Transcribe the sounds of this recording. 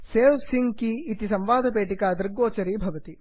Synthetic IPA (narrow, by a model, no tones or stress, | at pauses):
seːʋsiŋkiːt̪isɐmʋaːd̪ʱɐpeːʈikaːd̪ɾɡoːt͡ʃɐɾiːbʱɐʋɐt̪i